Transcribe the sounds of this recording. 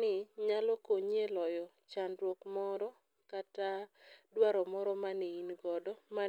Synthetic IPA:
nɪɲalɔkoɲelɔjɔ | t͡ʃandɾwokmɔɾɔ | katadwaɾɔmɔɾɔmaneinɡɔdɔma

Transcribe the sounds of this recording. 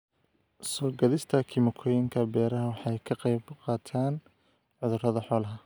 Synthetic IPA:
sɔːɡɐðɪst̪ʰɐkʰɪmʊkʰɔjɪŋkʰɐbɛːɾɐɦɐwɑħɑjkʰɐqɛjbqɑːt̪ʰaːn | ʕʊðʊrɐðɐħɔːlɐɦɐ

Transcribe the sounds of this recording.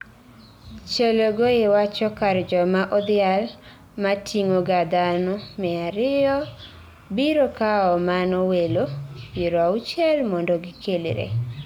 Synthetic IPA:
t͡ʃeloɡoewat͡ʃɔkaɾd͡ʒɔmaʔɔd̪ɪal | matʰiŋoɡad̪anɔmɛaɾɪɔ | biɾokaɔmanɔwelobeɾɔaut͡ʃɛlmɔndɔɡɪkʰelɾḛ

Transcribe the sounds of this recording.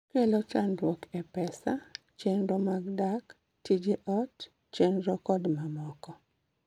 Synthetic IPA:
kɛlɔt͡ʃandwɔkɛpɛsa | t͡ʃenɾɔmaɡdak | tid͡ʒeʔɔt | t͡ʃenɾɔkɔdmamɔkɔ

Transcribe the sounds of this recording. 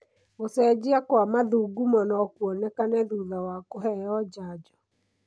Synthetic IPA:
osɛd͡ʑiakwamaðuːɡumɔnɔkuɔnɛkanɛðuðawakoɦɛjɔd͡ʒaːd͡ʒɔ̥

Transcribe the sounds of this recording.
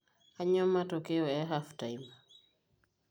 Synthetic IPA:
aɲɔmatɔkɛɔɛɦaftajm

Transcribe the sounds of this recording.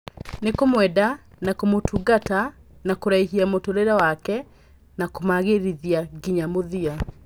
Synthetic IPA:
nekomwɛda | nakomotʰuːɡatanakoɾaiɦiamotoɾeɾawakɛ | nakomaɣeɾiðiaɡiɲamoðia

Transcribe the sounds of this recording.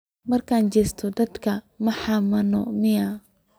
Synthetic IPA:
mɐrkʰaːnt͡ʃɛːst̪ʰɔd̪ɐd̪kʰɐ | mɐħɑmɐnɔ̰mɪjɐ

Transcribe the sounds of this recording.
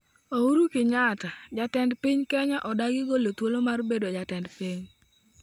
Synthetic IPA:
ouɾukɪɲatad͡ʒatɛndpɪɲkɛɲaʔɔdaɡɪɡolot̪wolomarbedod͡ʒatɛndpiɲ

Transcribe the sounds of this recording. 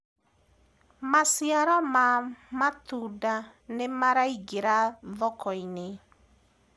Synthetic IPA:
masiaɾɔmamatuda | nemaɾaiɡeɾaðɔkɔine

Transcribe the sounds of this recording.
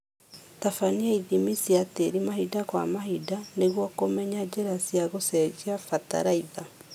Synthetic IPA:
tafaniaiðimisiateɾimaɦidakwa̰maɦidaneɣwɔkomɛɲad͡ʒeɾasiaɣosɛd͡ʒiafata̰ɾaiða

